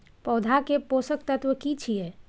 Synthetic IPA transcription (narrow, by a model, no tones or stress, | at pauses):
pɔd̪ʱakeposək̚t̪ət̪ʋəkit͡ʃʰije